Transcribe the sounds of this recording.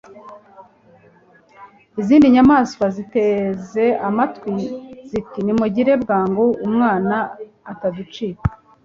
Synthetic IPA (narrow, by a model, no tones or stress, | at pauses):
iziːndiɲamaːskwaziteze̞amatwizikinimuɟiɾe̞bɡaːŋɡoumŋaːnaː | tazit͡ʃiːkḁ